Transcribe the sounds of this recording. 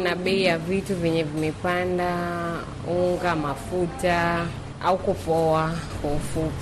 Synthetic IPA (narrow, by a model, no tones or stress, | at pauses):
naɓɛijavituvjɛɲɛvimɛpanda | uŋɡamafuta | aukupɔahɔfu